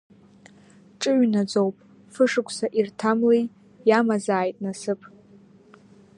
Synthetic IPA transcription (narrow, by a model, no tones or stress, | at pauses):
ʈ͡ʂʼɨɥnad͡zowpʼ | fɨʂɨkʷʰʼsaʔirtʰamlej | jamazaːjtʼnasɨpʼ